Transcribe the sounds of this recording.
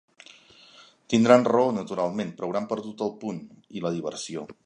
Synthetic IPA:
t̪ind̪ɾanrəonət̪uɾalˠmenpɾəwɾampəɾt̪ut̪əlˠpun | iləðiβ̞ərsio

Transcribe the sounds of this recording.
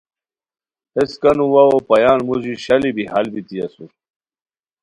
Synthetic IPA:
eskɐnuwawopɐjaːnmuʑiɕɐlibihɐlbit̪iɐsu

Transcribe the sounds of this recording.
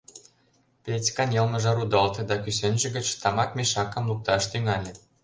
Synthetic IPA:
petʲkɑnjɤ̆lmɤ̆ʒɑɾud̪ɤlt̪ĕd̪ɑkys̬enʒɘ̆ɡə̆t͡ɕt̪ɑmɑkmeʃɑkə̆mluk̚t̪ɑʃt̪yŋɑlʲĕ

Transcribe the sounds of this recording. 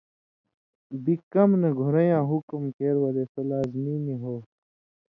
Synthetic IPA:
bikɐmnɐɡʱuɾɐjãːɦukmkeːɾwɐlesɐlaːzmiːniɦoː

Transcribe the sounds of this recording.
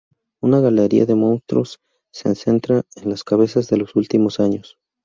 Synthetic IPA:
unaɣaleɾḭa̰ðe̞mõ̞nst̪ɾosː | ense̞nt̪ɾaenlaskaβe̞sazðe̞lo̞sult̪imo̞saɲo̞s

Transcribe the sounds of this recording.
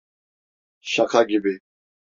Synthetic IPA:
ʃakʰaɡibi

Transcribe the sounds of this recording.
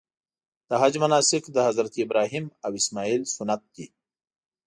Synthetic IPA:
d̪̥əɦad͡ʒmɐnaːsɪkd̪əɦɐzɾɐt̪ibɾaːɦimawismaːiːlsunɐt̪̚d̪̥i

